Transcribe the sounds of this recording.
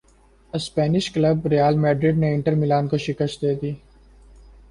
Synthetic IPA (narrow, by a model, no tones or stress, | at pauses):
əspɛːnɪʃkləbɾijaːlmɛːɖɾɪɖneɪ̃ɳʈəɾmɪlaːnkoʃɪkəʃd̪eːd̪iː